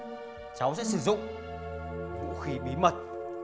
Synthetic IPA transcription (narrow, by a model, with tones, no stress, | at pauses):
t͡ɕa˨˦wsɛ̰˧˥sɨ˧˩zʊ̰˧˨ŋ͡m | kṵ˧˥xi˨˦ɓi˨˦mə˨˩t̚